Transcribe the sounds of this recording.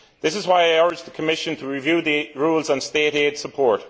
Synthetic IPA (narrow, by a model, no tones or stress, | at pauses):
ðɪsɨzwaɪaɪɔɹd͡ʒðəkʰəmɪʃə̃ntʰəɹivjʉːðiɹuːlˠz̃n̩steɪɾed̥səpʰɔɹt